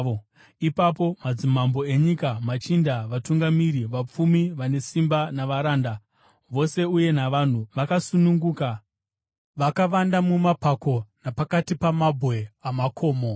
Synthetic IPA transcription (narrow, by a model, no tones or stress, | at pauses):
ipapo̞mad͡zimambo̞e̞ɲikamat͡ʃindaʋatuŋɡamiɾiʋap͡fumiʋane̞simbanaʋaɾaːnda | ʋo̞se̞uje̞naʋan̤uʋakasunuŋɡuːka | ʋakaʋandamumapako̞napakatipamabʱwe̞amakʰo̞ːmo̞